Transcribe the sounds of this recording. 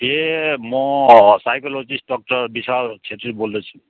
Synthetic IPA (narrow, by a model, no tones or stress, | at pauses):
emɔ̃sajkolod͡ʒisɖɔk̚ʈɔɾbisaɾt͡ʃʰet̪ɾibold̪ɔt͡ʃʰũ